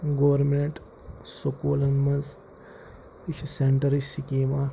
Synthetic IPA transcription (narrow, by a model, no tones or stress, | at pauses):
ɡoʋɐɾmeɳʈ | sokuːlɐnmɐz | it͡ʃʰiseɳʈɐɾisikiːma